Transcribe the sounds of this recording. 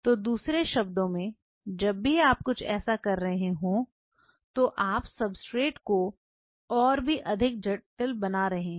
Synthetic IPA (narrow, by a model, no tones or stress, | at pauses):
t̪oːd̪uːsɾeʃɐb̚d̪õmẽ | d͡ʒɐbːiaːp̚kʊt͡ʃʰɛ̰ːsakɐɾːɐɦẽɦõ | t̪oʔaːpsɐbsʈɾeːʈko | ɔːɾbʱiʔɐd̪ʱɪk̚d͡ʒɐʈəlbɐnaɾɐɦẽː